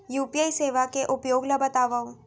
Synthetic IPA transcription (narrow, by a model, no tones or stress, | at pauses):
juːpijaːiseːʋakeʔʊpjoːɡlabɐt̪aːʋaːũ